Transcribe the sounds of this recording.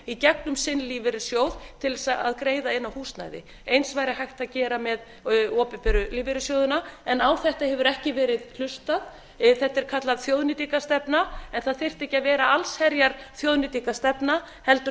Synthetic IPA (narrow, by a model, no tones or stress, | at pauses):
icɛk̚nʏmsɪnliːvɪɾɪ̥sjoːwðt̪ʰɪlsaa̰ðkɾeːjðaɪnːawhuːst̪na̰jðɪ̰ | ejnsvaːjɾɪhajxt̪aðcɛːɾamɛð | ɔːpɪpɛɾʏliːvɪɾɪsjoːwðʏnaɛnawθɛht̪ahɛvʏɾɛhcɪvɛːɾɪðkʰl̥ʏst̪að | θɛht̪ːɛɾ̥kʰat̪laðθjoːwðnɪt̪ikast̪ɛpnaɛnθaðθɪr̥t̪ɛhcɪavɛːɾaalshɛɾjaɾθjowðnɪt̪ikast̪ɛpna | hɛlt̪ʏ